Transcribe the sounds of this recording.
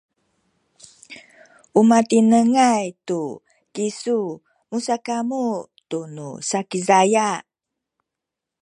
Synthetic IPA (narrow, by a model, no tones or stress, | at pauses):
ʔumatinəŋajtu | kisu | musakamutunṵsakizaja